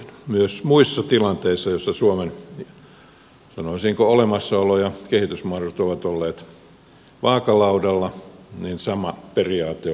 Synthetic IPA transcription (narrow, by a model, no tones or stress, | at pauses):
myøsmuisːɑt̪ilɑnt̪eisːɑjosːɑsuomen | sɑnoisiːŋkoolemɑsːɑolojɑkehit̪ysmuɑroet̪oʋɑt̪olːeːt̪ | ʋɑːkɑlɑudɑlːɑninsɑmɑperiɑːt̪ːe